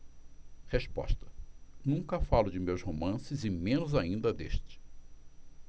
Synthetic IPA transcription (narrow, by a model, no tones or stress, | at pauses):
hespɔ̰ʃt̪ɐ̥nũŋkɐfalʊd͡ʒɪmewshomɐ̃sɪzɪmẽnʊzaĩnd̪ɐd̪ḛʃt͡ʃɪ̥